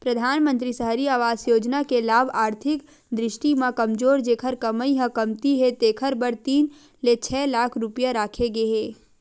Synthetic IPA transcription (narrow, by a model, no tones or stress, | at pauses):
pɾəd̪ʱaːnmə̃nt̪ɾisəɦɾiaːʋaːzjoːd͡ʒnakelaːbaːɾt̪ʰɪk | d̪ɾɪʃʈimãkəmd͡ʒoːɾd͡ʒeːkʰəɾkəməiɦəkəmt̪iɦet̪eːkʰəɾbəɾt̪iːn | let͡ʃʰɛːlaːkʰɾʊpjaɾaːkʰeɡeɦeː